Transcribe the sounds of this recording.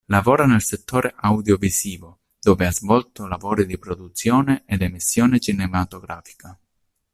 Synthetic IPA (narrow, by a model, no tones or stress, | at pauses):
lavɔːɾanelset̪ːoːɾʔeʔawd̪jovisiːvo | d̪̥oːveazvɔlt̪olavɔːɾid̪ipɾɔd̪ut̪sjɔːneʔed̪emisːjɔːnet͡ʃinemat̪oɡɾa̰ːfi̥ka